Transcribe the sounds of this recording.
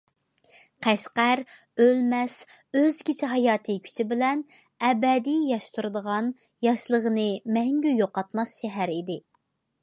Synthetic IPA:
qʰæʃqæɾ | ølmɛsøzɡʲit͡ʃʰɪɦɑjɑːt̪ʰɨkʲʰy̥t͡ʃʰibɪlɛn | ɛbɛd̪ijɑʃt̪ʰuɾɨd̪əʁɑn | jɑʃlˠəʁənɨmɛŋɡʲyjoqɑt̪mɑsʃɛɦæɾid̪ɪ

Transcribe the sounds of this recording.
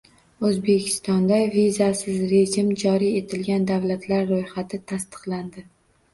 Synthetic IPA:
ɵzbe̞kʲʰɪ̥st̪ɒnd̪avizasɪzɾe̞d͡ʒɪmd͡ʒɒɾie̞t̪ʰɪlɡʲand̪awlat̪ʰlaɾːojhat̪ʰɪt̪ʰast̪ɨ̥qland̪ɪ

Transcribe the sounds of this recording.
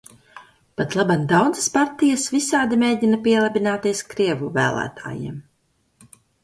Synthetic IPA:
pat̪lˠaband̪awd̪zaspaɾt̪ijasvisaːd̪imʲeːɟʲinapiɛlˠabʲinaːt̪iɛskɾiɛvuvæːlˠæ̰ːt̪a̰ːjḭɛm

